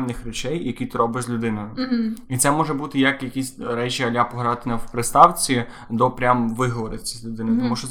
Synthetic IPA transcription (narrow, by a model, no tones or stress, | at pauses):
nɪxrɛt͡ʃɛjːɐkʲit̪ɪɾɔbɪʃzʲlʲʊd̪ɪnɔjʊit̪sɛmɔʒɛbut̪ɪjɐkjɐkʲisʲɾɛt͡ʃʲiɐlʲapɔɦɾɑt̪ɪnɐwpɾɪst̪ɑwt͡sʲi | d̪ɔpɾʲamʋɪɦɔʋɔɾɪsʲizʲlʲʊd̪ɪnɪt̪ɔmuʃt͡ʃɔ